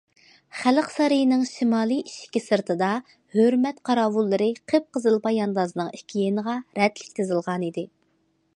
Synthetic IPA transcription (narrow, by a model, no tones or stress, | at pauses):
χæləqsɑɾɨjnɨŋʃimɑːlˠɨjiʃkʲisɨɾt̪ʰɨd̪ɑ | høɾmɛt̪qʰɑɾɑːwulˠːɨɾɨqʰəp̚qəzɨlˠbɑjɑnd̪ɑzɨnɨŋikʲʰijenəʁɑɾɛt̪lɪkʲt̪ʰɨzɨlˠʁɑnid̪ɪ